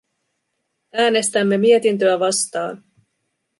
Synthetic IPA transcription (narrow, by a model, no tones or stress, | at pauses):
æːne̞st̪æmːe̞mie̞t̪int̪øæʋɑst̪ɑːn